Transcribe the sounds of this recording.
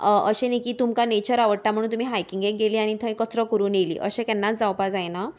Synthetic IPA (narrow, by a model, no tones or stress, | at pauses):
ʔə̰ɕenikiːt̪umkanet͡ɕəɾaʋəɽ̚ʈam̤əɽ̃uːnt̪um̤iːɦajkiŋɡek̚ɡeliːaɽ̃it̪ʰə̃kətɾəkəɾuːnjelḭːʔə̰ɕẽkɛnːat͡sd͡zawpad͡zajna